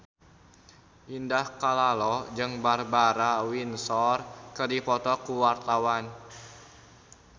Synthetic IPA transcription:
ʔindahkalalɔd͡ʒɨŋbarbaɾawinsɔrkərdipɔt̪ɔkuwart̪awan

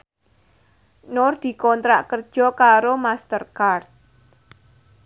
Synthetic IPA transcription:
nord̪̥i̤kɔnt̪ɾaʔkərd̥ʒ̥ɔ̤kaɾomast̪ərkart̪̚

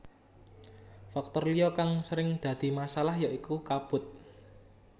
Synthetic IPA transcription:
fak̚t̪ɔrliɔkaŋsəɾɪŋd̪̥ä̤d̪̥i̤masalahjaʔikukab̥ʊ̤t̪̚

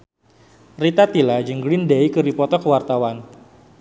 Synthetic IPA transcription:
rit̪at̪ilad͡ʒəŋɡɾɪndejkɨɾipɔt̪ɔkəwart̪awan

